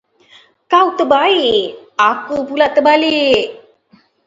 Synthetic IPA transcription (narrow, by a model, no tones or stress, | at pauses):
kawt̪əbaiakəpulaʔt̪əbalii